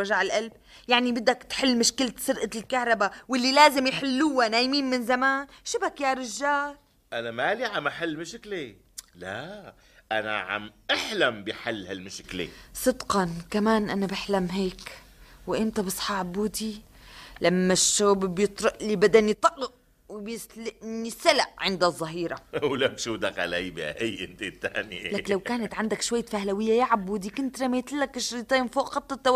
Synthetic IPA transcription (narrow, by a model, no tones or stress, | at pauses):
aʒaʕɪlʔalb̚ | jaʕnibɪd̪ːakt̪ħɪlːmʊʃkɪlt̪sʊɾʔalkahɾˤɑbawɪlːilaːzɪmjħɪlːuwanaːjmiːnmɪnzamaːnʃɪbakjaːɾˤɪʒːaːl | ʔanamaliʕamʔaħalːmɪʃkle | la | ʔana̰ʕa̰mʔaħlambiħalːhalmɪʃklḛsˤɨd̪qɑnkamaːnʔanabɪħlamɦeːk | wɪʔɪmt̪abɨsˤħɑʕabːuːd̪i | lamːaʃːoːbbjɨt̪ˤɾʊʔlibad̪anjt̪ˤːɑʔlɪʔ | wɪbjɪslɪʔnisalaʔʕɪnd̪azˤːɑɦiːɾawlakʃuːd̪akʕa̰lajbiʔajːʔɪnt̪et̪ːaːnlaklawkaːnat̪ʕand̪akʃwaj̪ːfahlawɪjːajaʕabːuːd̪ikʊnt̪ɾamet̪ɪlːakːɪʃɾit̪ˤeːnfoːʔxɑt̪ˤːɑt̪ːawa